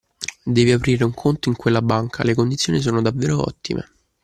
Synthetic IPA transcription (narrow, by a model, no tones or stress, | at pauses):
d̪ɛːviapɾiːɾeuŋkʰont̪oiŋkwelːabaŋkʰa̰lekond̪it̪sjoːnis̬oːnod̪avːeːɾoɔ̰t̪ːḭmʔḛ